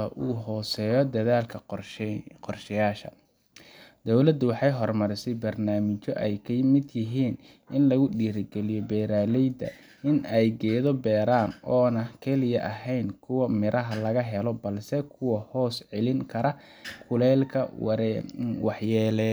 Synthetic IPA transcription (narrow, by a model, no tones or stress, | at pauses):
ɐʔuːɦɔːsɛːjɔd̪ɐðaːlkʰɐ | qɔrʃɐjaːʃɐ̰ | d̪ɔwlɐd̪ːʊwɑħɑjɦɔrmɐɾɪsɛjbɐrnaːmɪt͡ʃɔʔɛjkʰɐjmɪd̪jɪɦiːn | ɪnlɐɣʊɗiːɾɡɛlɪjɔbɛːɾaːlɛjd̪ɐ̰ | ɪnɛjɡɛːðɔbɛːɾaːnɔːnɐkʰɛlɪjɐʔɐɦɛjnkʰʊwɐmɪɾʔɐɦɐlɐɣɐɦɛlɔbɐlsɛkʰʊwɐhɔːsʕɛlɪŋkʰɐɾɐ | kʰʊlɛːlkʰɐ̰w̰ | wɑħjɛːlɛ